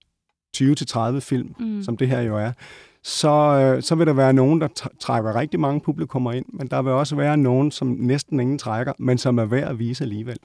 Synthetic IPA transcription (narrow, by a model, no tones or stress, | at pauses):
t͡sʰyːʊət͡sʰe̝t͡sʰʁað̞ˠʋəfil̰msɒ̽md̥e̝ɦeɐ̰jo̝æɐ | sɒ̽sɒ̽ʋe̝ɾ̥ɑ̈ʋæːɐno̝ːn̩d̥ɑ̈t͡sʰʁɑɡ̥ɐʁɛɡ̥̚d̥imɑ̈ŋəpʰub̥likʰɔ̽m̰ɐe̝n̰mend̥ɑ̈ʋe̝ɒ̽s̬əʋæːɐno̝ːn̩sɒ̽mnesd̥n̩e̝ŋn̩t͡sʰʁaɡ̥ɐmensɒ̽mæɐʋæɐ̰æʋiːsəæliːʋel̰